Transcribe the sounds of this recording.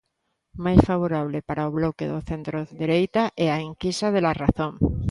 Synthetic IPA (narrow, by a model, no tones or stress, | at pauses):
majsfaβ̞oɾaβ̞lepaɾaoβlɔkeðoθent̪ɾoðeɾejt̪aʔɛaeŋkisaðelaraθõŋ